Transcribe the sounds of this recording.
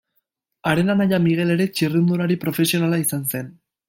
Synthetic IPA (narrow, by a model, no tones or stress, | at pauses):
aɾe̞nanajamiɣ̞e̞le̞ɾe̞t͡ʃirind̪uɾaɾipɾo̞fe̞sio̞nalaisanse̞n